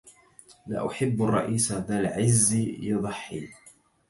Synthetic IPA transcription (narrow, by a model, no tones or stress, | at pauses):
la̰ʔʊħɪbːɑrˤːɑ̰ʔiːsaðalʕɪzːijɑðˤɑħːḭː